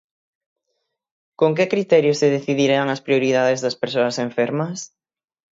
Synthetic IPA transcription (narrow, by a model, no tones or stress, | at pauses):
koŋkekɾit̪ɛɾjoseðeθiðiɾeaŋɐspɾioɾiðaðezðɐspeɾsoɐseɱfeɾmɐs